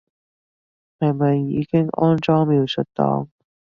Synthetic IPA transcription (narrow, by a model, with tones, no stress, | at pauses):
hɐ˨jmɐ˨jːiː˨˧kɪ˥ŋʔɔ̰ː˥nt͡sɔː˥ŋmiː˨˧wsɵ˨˩tt̪ɔ̰ː˨˥ŋ